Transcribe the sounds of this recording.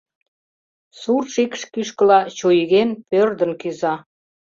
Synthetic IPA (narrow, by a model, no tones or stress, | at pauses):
surʃikʃkyʃkəlɑt͡ɕujɣenpørd̪ənkyzɑ